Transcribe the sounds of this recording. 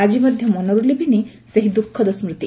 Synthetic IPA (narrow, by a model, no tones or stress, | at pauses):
ad͡ʒimɔd̪ʱjɔmɔnɔɾulebʱini | seɦid̪ukʰːɔd̪ɔsmɾut̪i